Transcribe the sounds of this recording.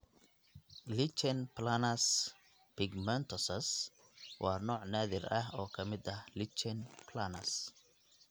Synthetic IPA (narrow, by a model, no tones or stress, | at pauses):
lɪt͡ʃɛnpʰlanɐs | pʰɪɡmɛnt̪ʰɔsɐs | wʔɑːnɔːʕnaːðɪrɐɦɔːkʰɐmɪd̪ɐlɪt͡ʃɛnpʰlanɐ̰s